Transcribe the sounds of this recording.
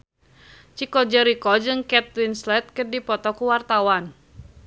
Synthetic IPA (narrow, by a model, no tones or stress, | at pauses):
t͡ʃikɔd͡ʒəɾikɔd͡ʒɨŋkɛt̪̚winslɛt̪̚kərdipɔt̪ɔkuwart̪awan